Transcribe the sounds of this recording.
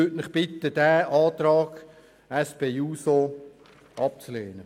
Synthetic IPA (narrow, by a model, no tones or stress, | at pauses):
øtnɪχb̥ɪt̪ːəd̥æːʔɑːt̪ɾɑːɡ̥ | ɛspeːuːso | ʔɑp̚t͡sleːnə